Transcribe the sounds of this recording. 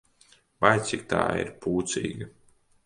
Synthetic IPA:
vajt̪sik̚t̪a̰ːḭɾpuːt̪sḭːɡɐ

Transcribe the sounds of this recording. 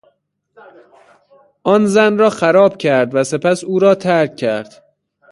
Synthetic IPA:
ʔɒːnzænrɒːxæɾɒːb̥cʲʰæɾd̪væse̞pæsuːɾɒːt̪ʰæɾkʰcʰːæɾd̪̥

